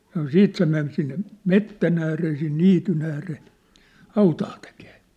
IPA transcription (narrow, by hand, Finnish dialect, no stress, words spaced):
sɑno siːt se men sinːe metːæn æːreː sin niːtyn æːreː hɑutɑː tekeː